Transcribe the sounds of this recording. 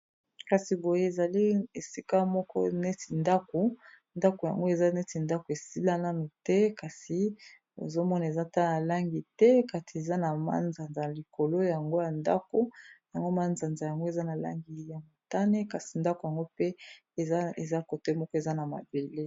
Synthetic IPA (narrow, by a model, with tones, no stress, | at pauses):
ka˨si˨bo˨je˦e˨za˨li˦e˨si˦ka˦mɔ˦kɔ̰˦ne˦ti˨nda˦ko˨ | nda˦ko˨ja̰˨ŋɡo˦e˨za˦ne˦ti˨nda˦ko˨e˨si˦la˦na˦nu˨tɛ˦ka˨si˨ | ḛ˨zo˦mɔ˦na˨e˨za˦˨ta˦˨na˨la˦ŋɡi˨tɛ˦ka˨tʰi˨e˨za˦na˨ma̰˦nza˨nza˨li˨ko˨lo˦ja˨ŋɡo˦ja˨nda̰˦ko˦ja˨ŋɡo˦ma˦nza˨nza˨ja˨ŋɡo˦e˨za˦na˨la̰˦ŋɡi˨ja˨mo˨ta˦ne˦ka˨si˨nda˦ko˨ja˨ŋɡo˦pe˦˨ | a˦e˨za˦ko˨te˦mɔ˦kɔ˦e˨za˦na˨ma̰˨be˨le˦